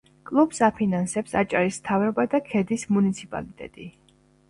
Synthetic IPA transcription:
kʼlˠub̥sapʰinansɛpsat͡ʃʼaɾismt̪ʰavɾɔbad̪akʰɛd̪ismunit̪sʰipʼa̰lit̪ʼɛ̰t̪ʼi

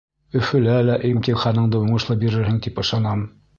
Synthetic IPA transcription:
ɵ̆fɵ̆lælæʔimt̪ʲinχɑnɤ̆ɴd̪ɤuɴɤ̆ʃlˠɤbiɾɘ̆ɾɦɘŋt̪ipɤ̆ʃɑnɑm

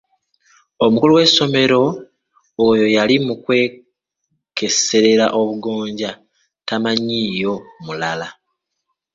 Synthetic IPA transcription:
o̞mukuluwe̞so̞me̞ɾo̞ː | jo̞jalimukwe̞ː | ke̞se̞ɾe̞ɾa̰ʔo̞βuɡo̞ːɲɟa | tamaɲiːjo̞mulala

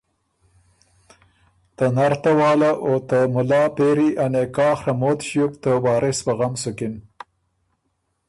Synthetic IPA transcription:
t̪anaɾt̪awɑːlaʔot̪əmʊlɑːpeɾiʔanekɑːxɾamoːt̪ʃjukt̪əwɑːɾʔɪsbaɣamsʊkɪn

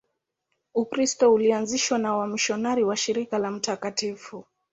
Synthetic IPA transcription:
ukɾistɔulianziʃwanawamiʃɔnaɾiwaʃiɾikalam̩takatifu

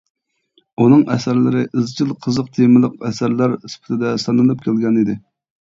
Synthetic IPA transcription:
unɨŋʔɛ̰sæɾlɪɾɪʔɨzt͡ʃʰilˠqʰəzəq̚t̪ʰemɨlˠəqɛsæɾlæɾispʰɪ̥t̪ʰɪd̪ɛsɑnɨlˠɨp̚kʲælɡʲɛnid̪ɪ

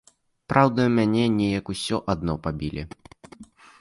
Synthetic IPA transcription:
pɾʔawd̪ɐmʲanʲɛnʲɛjɐkusʲɔʔad̪̚nɔpabʲilʲɛ̰

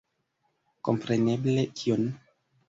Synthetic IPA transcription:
kompɾeneblekʰion

